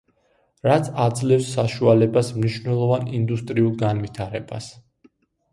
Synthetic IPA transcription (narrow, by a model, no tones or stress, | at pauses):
ɾat̪sʰad̪zlɛfsːaʃualɛbasmniʃvnɛlˠɔvanind̪ust̪ʼɾiulˠɡanvit̪ʰaɾɛbas